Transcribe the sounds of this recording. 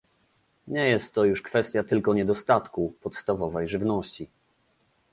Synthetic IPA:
ɲɛjɛst̪ːɔjuʂkfɛst̪ʲjat̪ɘlkɔɲɛd̪ɔst̪at̪kupɔt̪st̪avɔvɛjʐɘvnɔɕt͡ɕi

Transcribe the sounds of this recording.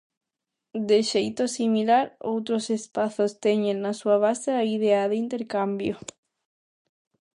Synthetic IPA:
d̪eʃejt̪osimilaɾo̰wt̪ɾosespaθost̪eɲẽŋnasuaβ̞aseaiðeaðɪint̪eɾkambjo

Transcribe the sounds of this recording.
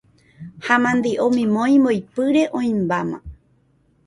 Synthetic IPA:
hamãnd̪iʔõmĩmõj̃mojpɨɾe̞ʔõĩmbamã̰

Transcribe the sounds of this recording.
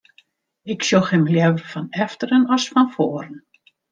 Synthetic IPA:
ɪksjoxɪmljɛvəfɔnɛftəɾənɔsfɔnfoːɾən̩

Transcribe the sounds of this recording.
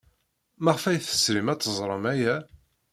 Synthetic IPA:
maʁfæjθə̥sɾimæt͡s̪ːəzˤɾˤəmæjæ

